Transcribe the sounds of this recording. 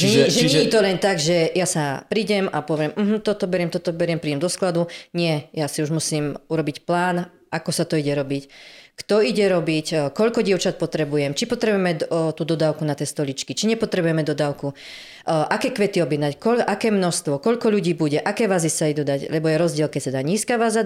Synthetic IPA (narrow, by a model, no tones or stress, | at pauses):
ʒɛɲɛʒɛɲɛit̪ɔlɛnt̪aɡʒɛjasapɾiɟɛmapɔʋɪɛmm̩ɦm̩t̪ɔt̪ɔbɛɾɪɛmt̪ɔt̪ɔbɛɾɪɛmpɾiːɟɛmd̪ɔsklad̪uɲɪɛjasiuʒmusiːmuɾɔbicplaːn | ʔakɔsat̪ɔiɟɛɾɔbickt̪ɔiɟɛɾɔbickɔʎkɔɟɪɛʊt͡ʃat̪̚pɔt̪ɾɛbujɛmt͡ʃipɔt̪ɾɛbujɛmɛt̪uːd̪ɔd̪aːʊkunat̪iɛːst̪ɔlit͡ʃkit͡ʃiɲɛpɔt̪ɾɛbujɛmɛd̪ɔd̪aːʊku | ʔakɛːkʋɛt̪iɔbjɛd̪nackɔʔakɛːmnɔst̪ʋɔkɔʎkɔʎuɟiːbuɟɛʔakɛːʋazisaid̪ud̪aɟlɛbɔjɛɾɔzɟɪɛlkɛct̪ad̪aɲiːskaʋaza